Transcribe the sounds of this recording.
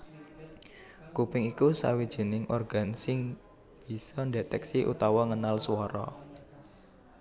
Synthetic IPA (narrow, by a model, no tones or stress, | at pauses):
kupɪŋikusa̰wid̥ʒ̥i̤nɪŋʔɔrɡ̥a̤nsɪŋ | b̥i̤sɔndet̪ɛksiʔṵt̪ɔwɔŋənalswɔɾɔ̰